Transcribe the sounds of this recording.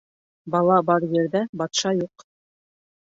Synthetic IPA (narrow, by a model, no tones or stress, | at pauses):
bɑlˠɑbɑɾjɘ̆ɾðæbɑt̪ʃɑjuq